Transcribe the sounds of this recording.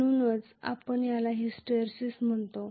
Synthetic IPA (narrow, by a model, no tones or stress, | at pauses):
unət͡sa̰pəɳjalaɦisʈəɾsism̤əɳt̪o